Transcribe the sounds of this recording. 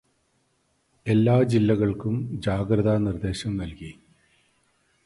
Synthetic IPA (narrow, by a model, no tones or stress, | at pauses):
e̞lːaːd͡ʑilːɐɣɐɭkumd͡ʑaːɡɾɐðaːnird̪e̞ːɕɐmnɐlki